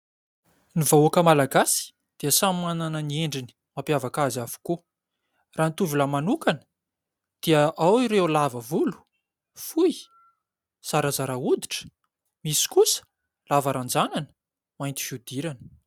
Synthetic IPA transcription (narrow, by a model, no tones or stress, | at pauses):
nivauakəmalaɡasi̥ | d̪̥iəsamananənieɳɖ͡ʐini̥ | mapjavakazavu̥ku | ranit̪uvilamanukanə̥ | d̪̥iəʔawiɾewlavəvulu̥ | fuji | saɾazaɾaud̪i̥ʈ͡ʂə̥ | misi̥kusə̥ | lavaɾand͡zananə̥ | majnt̪i̥fiud̪̥iɾanə̥